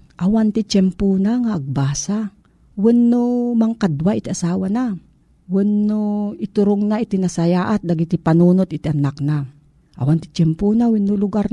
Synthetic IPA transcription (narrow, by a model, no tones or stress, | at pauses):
ʔawant̪ɪt͡ʃɛmpunaŋaʔːɡ̚baːsa | wɪnːomaŋkad̪waʔit̪iʔasaːwana | wɪnːoɪt̪ʊɾʊŋnait̪inasajaːʔat̪̚d̪aɡit̪ipanuːnot̪ɪt̪iʔanakna | ʔa̰want̪ɪ̥t͡ʃɛmpunawɪnːʊlʊɡaɾ